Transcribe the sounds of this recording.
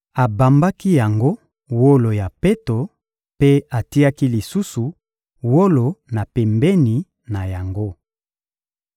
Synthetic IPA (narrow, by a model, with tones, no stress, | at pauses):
a˨ba˨mba˦ki˦ja˨ŋɡo˦ | wo˦lo˨ja˨pe˦to˨ | pe˦a˨ti˦a˦ki˦li˨su˦su˨ | wo˦lo˨na˨pɛ˨mbɛ˦ni˨ | na˨ja˨ŋɡo˦